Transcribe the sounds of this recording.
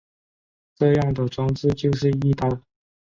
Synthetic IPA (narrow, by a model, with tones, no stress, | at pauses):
ʈ͡ʂɤ˥˧jɑ˥˩ŋd̪ə˩ʈ͡ʂwɑ˥ŋt͡sɹ̩˥˧t͡ɕjo˥˧ʊʂɻ̩˥˧i˥˧t̪ɑ˥˩ʊ